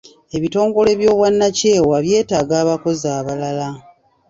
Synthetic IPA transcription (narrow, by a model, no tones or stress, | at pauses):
e̞βito̞ːŋɡo̞le̞βjo̞ːβwanːace̞ːwaβje̞ːtaːɡaːβako̞zaːβalala